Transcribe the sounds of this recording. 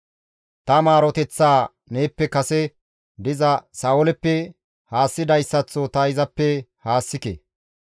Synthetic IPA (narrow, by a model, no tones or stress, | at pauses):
t̪ɐmaːɾɔt̪ɛt͡sːaː | ne̞ːpːɛkɐsɛ | d̪ɪzɐsaːʔʊlɛpːɛ | haːsːɪd̪ɐjsːɐt͡sːot̪ɐɪzɐpːɛhaːsːɪkḛː